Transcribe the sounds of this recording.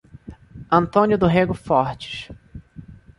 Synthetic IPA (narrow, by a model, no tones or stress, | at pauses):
ɐ̃nt̪õnjʊd̪ʊɦeɡʊfɔɾt͡ʃɪ̥ʃ